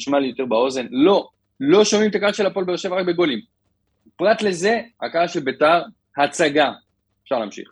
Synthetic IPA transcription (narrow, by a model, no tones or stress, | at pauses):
iʃmaljo̞t̪e̞ʁbao̞ze̞nlo̞ | lo̞ʃomimt̪akaaʃe̞lapo̞lbeoʃevʁak̚be̞ɡo̞lim | pʁat̪le̞ze̞a̰kaʃebetaʁ | hat͡saɡa | e̥fʃaʁlaːmʃḭχ